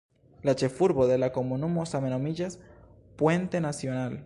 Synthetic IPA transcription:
lat͡ʃefuɾβoðelakomonumosamenomiʝas | pwent̪enasjonal

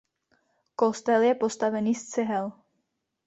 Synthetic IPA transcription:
kost̪ɛljɛpo̞st̪avɛniːst͡sɪɦɛl

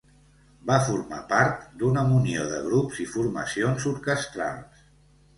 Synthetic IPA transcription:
bafuɾma̰paɾt̪d̪unəunioðə̰ɣ̞ɾupzifuɾmə̰sionzuɾkəst̪ɾa̰lˠs

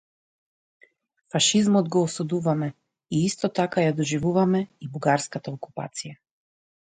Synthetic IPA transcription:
faʃizmɔd̪ɡɔːsud̪uvamɛ | iist̪ɔt̪akajad̪ɔʒivuvamɛibuɡaɾskat̪aɔku̥pa̰t̪sija

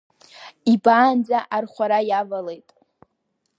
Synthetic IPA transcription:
ibaːnd͡zaʔarχʷaɾajavalejtʼ

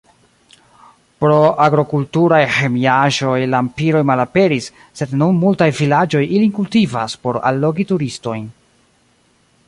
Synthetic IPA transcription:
pɾo̞aɡɾo̞kultuɾajhe̞miaʒo̞jlaːmpiɾo̞jmalape̞ɾisː | e̞dnunmultajvilad͡ʒo̞jʔilikultivaspo̞ɾa̰lːo̞ɡituɾisto̞jn

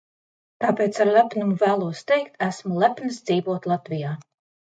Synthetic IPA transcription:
t̪aːpeːt̪saɾlʲæpnumuvæːlˠuɔst̪ɛjkt̪æsmulˠæpʲnɨsd̪ziːvuɔt̪lˠat̪vijaː

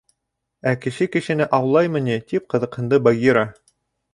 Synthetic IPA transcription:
ækɘ̆ʃɘkɘ̆ʃɘ̆nɘʔɑwlˠɑjmɤ̆nit̪ip̚qɤ̆ðɤ̆qhɤ̆nd̪ɤbɑɡʲiɾɑ

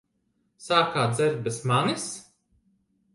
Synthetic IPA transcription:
saːkaːd̪zɛɾt̪̚bɛsmanis

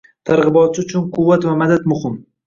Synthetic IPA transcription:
t̪ʰaɾʁɨbɒt̪̚t͡ʃʰɪʊt͡ʃʰʊnqʰʊvːat̪vamad̪at̪mʊhɪm

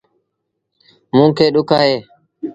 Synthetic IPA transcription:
mũːkʰeːɗʊkʰaːɦeː

